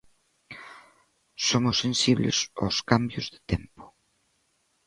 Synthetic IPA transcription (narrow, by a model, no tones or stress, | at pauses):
somusensiβlḛzo̰skambjozðə̥t̪empo̥